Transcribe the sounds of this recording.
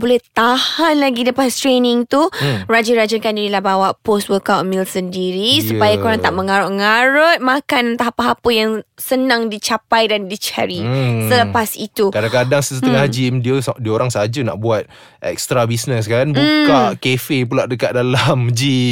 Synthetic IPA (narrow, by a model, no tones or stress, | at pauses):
bolɛht̪ahanlaɡiləpast̪ɾenɪŋt̪urad͡ʒəɾad͡ʒəkandinəlahbawaʔpost̚wəkawt̪̚milsəndiɾisupajakoɾaŋt̪aʔməŋaɾʊʔ̚ŋaɾət̪̚mãkant̪aɦapaɦapəjaŋsənãŋdit͡ʃapajdandit͡ʃa̰ɾisələpasit̪ukadaŋkadaŋsəsəəŋahd͡ʒimdiəsdioɾaŋsəad͡ʒəna̰ʔbuat̪̚ | ʔɛ̰k̚st̪ɾabisnəskaanbukakefep̬ulaʔdəkat̪̚dalamd͡ʒi